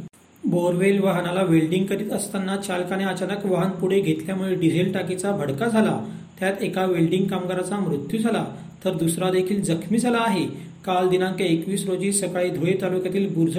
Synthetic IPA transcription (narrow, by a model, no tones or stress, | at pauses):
boɾʋelʋaɦənalaʋelɖiŋɡkəɾiːt̪əst̪anːat͡ɕalkañeət͡ɕanəkʋəɦənpuɽ̤eɡʱet̪ljamuɭeɖid͡zʱelʈakit͡sabʱəɽkad͡zʱala | t̪jat̪ekaʋelɖiŋɡkamɡəɾat͡samɾut̪jud͡zʱala | t̪əɾd̪usɾad̪ekʰiːld͡zəkʰmiːd͡zʱalaːɦe | kald̪inãŋkeekʋiːsɾod͡ʑiːsəkaɭiːd̪ʱoɭit̪alukjat̪iːlbuɾd̪ʱ